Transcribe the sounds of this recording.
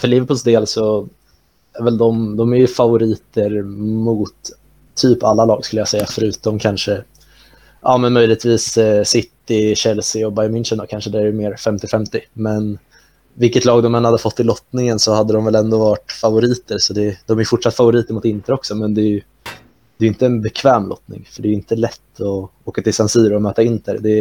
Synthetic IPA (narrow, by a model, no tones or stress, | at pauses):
fœɭiːvəɾpʰʉlsd̪eːlsɔ | æɾvɛld̪ɔmd̪ɔmæɾjɵfavʊɾiːt̪əɾmʊt̪ʰː | yːpalːalɑːɡskɵlːəjɑsɛjːafœɾʉ̟ːt̪ɔmkʰanʂə | ʔɑːmɛnmœjlɪt̪viːssɪt̪ːɪɕɛlsɪɔbajmɪnʂənd̪ɔkʰanʂəd̪ɛæɾjmeːɾfɛmt̪ɪfɛmt̪ɪmɛn | vɪlkət̪lɑːɡd̪ɔmɛnhad̪ːəfɔt̪ʰːɪlːɔt̪nɪŋənsɔhad̪ːəd̪ɔmvɛlɛnd̪oːvɑːʈfavʊɾiːt̪əɾsɔd̪ɛd̪̥ɔmæɾjɵfʊʈʂat̪ːfavʊɾiːt̪əɾmʊt̪ɪnt̪əɾɔksɔmɛnd̪ɛj | d̪̥ɛːjɪnt̪əːnbɛkʰvɛːmlɔ̰t̪nɪ̰ŋfœɖɛjɪnt̪əlɛt̪ːɔoːkat̪ʰɪlsansyːɾɔmœːt̪aɪnt̪ʰəɾd̪ɛ